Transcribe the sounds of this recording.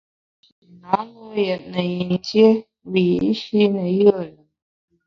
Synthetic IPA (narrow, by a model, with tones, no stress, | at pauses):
a˨˦ŋə˦jɛ˨t̚nə˨ji˨n˨tje˦ | wi˨i˨˦ʃi˦nə˨jə˦˨lə˨